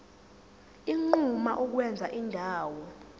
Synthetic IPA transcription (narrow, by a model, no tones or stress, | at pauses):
iŋ͡ǃumaʔuk̬wɛnd͡zʱaʔindʱaːwɔ